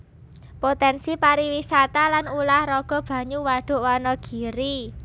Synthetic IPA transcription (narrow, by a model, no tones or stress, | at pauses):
pot̪ɛnsipaɾiwisat̪alanulahrɔɡ̥ɔ̤b̥ä̤ɲuwaɖ̥ʊ̤ʔwanɔɡ̥i̤ɾi